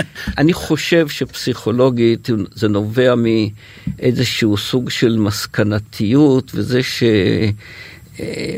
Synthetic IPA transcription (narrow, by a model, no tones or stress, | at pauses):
ʔaniχo̞ʃe̞vʃepsiχo̞lo̞ɡitzeno̞ve̞ami | ʔezeʃuusuɡʃe̞lmaskanat̪ʰijutvezeʃe